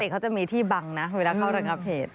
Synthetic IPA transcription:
e˨˩kʰa˦˥wt͡ɕa˨˩miː˧t̪ʰiː˥˩ba˧ŋna˦˥˧e˧laː˧˩kʰa˥˩wɾa˧ŋa˦˧˥p̚heː˨˩t̪̚

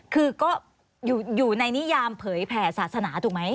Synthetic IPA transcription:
kʰɯː˧kɔː˥˩ | juː˨˩juː˨˩na˧jni˦˥jaː˧mpʰɤː˩˦jpʰɛː˩˦saː˨˩t̪̚sa˧naː˩˦t̪ʰuː˨˩k̚ma˦˥j

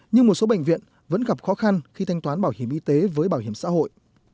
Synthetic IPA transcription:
ɲɨ˧ŋmo˨˩t̚so˨˦ɓə̰˧˨ŋ̟vḭ˧˨ən | və̰˧˥nɣa˨˩p̚xɔ˨˦xa˧nxi˧t̪ʰa˧jŋt̪waː˨˦nɓaː˧˩whi˧˩əmʔi˧t̪e˨˦vəː˨˦jɓaː˧˩whi˧˩əmsa̰ː˧˥ɦo̰˧˨jʔ

